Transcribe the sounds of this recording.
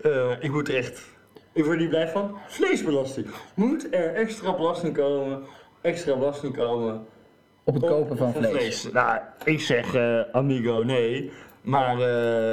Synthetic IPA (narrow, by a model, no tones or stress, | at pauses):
əɪkmutərɛχt | ɪkʋɔɹtniblɛjfɑnflejzbəlɑstɪŋmutɛɹɛkstraːbəlɑstɪŋkowmə | ɛkstraːbəlɑstɪŋkowmə | ɔpətkowpəfɑnlelejsjaɪksɛχəamiɡownejmaːrə